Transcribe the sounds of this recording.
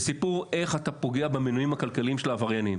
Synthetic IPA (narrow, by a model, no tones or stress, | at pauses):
sipuʁe̞χatapoɡe̞abeminujimhakalkaliimʃelaːvaʁjanim